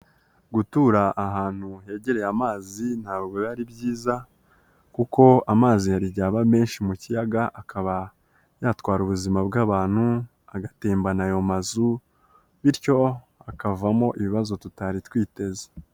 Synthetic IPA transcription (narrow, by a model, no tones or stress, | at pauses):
ɡutuɾaʔaɦaːn̥huɦe̞ːɟe̞ɾe̞jamaːzin̥haːbɡweβaɾibɟiːza | kuko̞amaːzijaɾiɟaːβame̞ːnʃimucijaɡaʔakʰaβa | jaːtkwaːɾuβuzimabɡaːβaːn̥hu | aɡateːmbanajo̞mazu | βiɾco̞ | akavamo̞ʔiβiβazo̞tutaɾitwiːte̞ze̥